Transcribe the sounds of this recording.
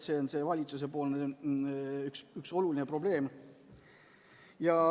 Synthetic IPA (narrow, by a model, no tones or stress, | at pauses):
se̞onse̞vɑlʲit̪sus̬e̞po̞ːlne | yksykso̞luline̞pro̞b̥le̞ːm | jɑ